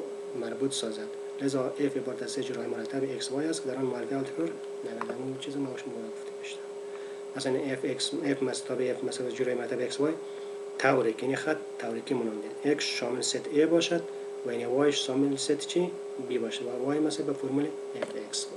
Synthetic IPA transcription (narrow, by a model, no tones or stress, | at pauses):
maɾbut̪sɔzad̪ | lɪzɔʔefebɔɾt̪ʰased͡ʒuɾɔjimʊɾat̪ʰːabekswɔjast̪kɪd̪aɾɔnmaɾɡalt̪ħoɾ | naɡanamut͡ʃʰizɪmawʃmbɔd̪ɔɡʊft̪ʰibeʃt̪aɾ | masanefeksefmast̪ʰɔbiefmasabd͡ʒuɾɔjimaɾt̪ʰabekswɔj | t̪ʰawɾikinixat̪ʰːawɾikimʊnɔnd̪id̪eksʃɔmɪlset̪ʰebɔʃad̪ | wainewɔjɪʃsɔmɪlset̪t͡ʃʰi | bibɔʃawawɔjmasebafoɾmule | efeks